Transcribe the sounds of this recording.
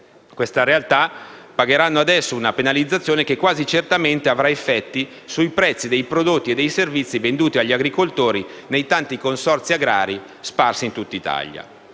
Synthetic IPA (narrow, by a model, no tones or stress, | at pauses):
kwest̪aɾealt̪apaɡeɾanːoad̪ɛsːounapenalid̪zːat̪sːjoːnekekːwaːzit͡ʃert̪ament̪eavɾaefːɛt̪ːi | sujpɾɛt̪sːid̪ejpɾod̪ot̪ːied̪ːejservit̪sːivend̪uːt̪iaʎːiaɡɾikolt̪oːɾinejt̪ant̪ikonsɔrt̪siaɡɾa̰ːɾi | sparsint̪ut̪ːait̪a̰ʎːa̰